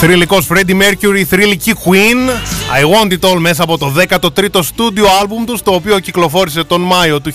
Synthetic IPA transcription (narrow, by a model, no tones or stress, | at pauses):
θɾiliko̞sfɾed̪imeɾcuɾiθɾilicikwinɐ̰jwont̪it̪o̞lme̞s̬ɐːpo̞t̪o̞ðe̞kɐt̪o̞t̪ɾit̪o̞st̪ud̪ioɐlbumt̪ust̪o̞ːpio̞ciklo̞fo̞ɾise̞t̪o̞nmɐjot̪u